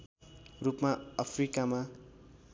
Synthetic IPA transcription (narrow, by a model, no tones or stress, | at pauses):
rupmaʌpʰrikama